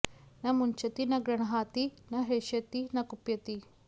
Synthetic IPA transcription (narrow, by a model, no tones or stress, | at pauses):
nɐmuɲt͡ʃɐt̪inɐɡɾɐɳɐɦaːt̪inɐɦeʃɐt̪inɐkupjɐt̪i